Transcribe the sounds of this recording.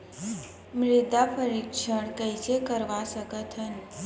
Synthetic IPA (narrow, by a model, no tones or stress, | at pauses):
mɾɪd̪apʰəɾikʃəɽ̃kəɪsekəɾʋasəkət̪ɦən